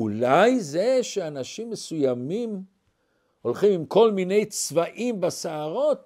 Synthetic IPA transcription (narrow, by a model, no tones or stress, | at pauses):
ulajze̞ʃeanaʃimːesujamim | o̞lχimimko̞lmine̞jt͡svaʔimbasaaʁo̞t̪̚